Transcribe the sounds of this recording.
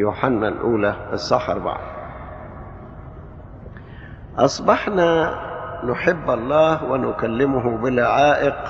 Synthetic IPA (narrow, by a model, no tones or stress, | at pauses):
juːħanːalʔuːlaɪsˤːɑħɑ̰ɾˤba̰ʕ̰d | ʔɑsˤbɑħna | nʊħɪbːʔɑlˤːɑːhwɪnʊkalːɪmʊɦʊbɪlʊʕaːʔɪq